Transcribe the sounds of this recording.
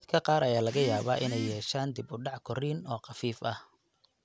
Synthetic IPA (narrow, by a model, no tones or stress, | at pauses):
d̪kʰɐqɑːɾɐjaːlɐɣɐjaːβa̰ːʔɪnɛjɛːʃaːnd̪ɪbʊɖɑʕkʰɔriːnɔːqɑfiːfɐh